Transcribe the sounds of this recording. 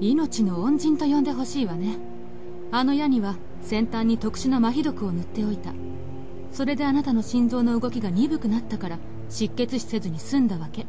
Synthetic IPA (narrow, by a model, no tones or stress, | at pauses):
ino̞t͡ɕino̞õɲ̟d͡ʑĩnt̪o̞jõ̞nd̪e̞ɦo̞ɕiːβane̞ | ano̞jaɲ̟iβa | sẽ̞nt̪ãɲ̟ːit̪o̞kɯ̟̥ɕɨnomaçʲid̪o̞kɯ̟o̞nɯt̪ːe̞o̞it̪a | so̞ɾe̞d̪e̞anat̪ano̞ɕĩnd͡zo̞ːno̞ɯ̟ɡo̞kʲiɡaɲ̟ibɯ̟kɯ̟nat̪ːakaɾa | ɕikːe̞t͡sɨɕi̥se̞zɨɲ̟isɨ̃nd̪aβake̞